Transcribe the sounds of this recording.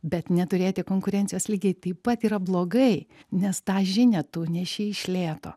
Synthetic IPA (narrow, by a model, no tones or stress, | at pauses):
bʲɛt̪nʲɛt̪ʊɾʲeːtʲɪkoːŋkʊɾʲɛnʲt͡sʲɪjoːslʲiːɡʲɛɪt̪ɐɪppɐt̪iːɾɐblˠoːɡɐɪnʲɛst̪ɑːʒʲɪnʲɛt̪uːnʲɛʃʲiɪʃʲlʲeːt̪o̰